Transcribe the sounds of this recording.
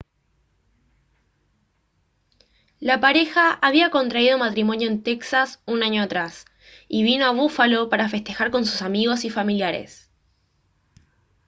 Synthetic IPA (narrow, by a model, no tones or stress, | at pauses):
lapaɾe̞xaːβiako̞nt̪ɾaið̞o̞mat̪ɾimo̞njo̞ent̪e̞ksasunaɲo̞at̪ɾas | iβino̞aβufalo̞paɾafe̞st̪e̞xaɾko̞ns̬u̥samiɣo̞sifamiljaɾḛs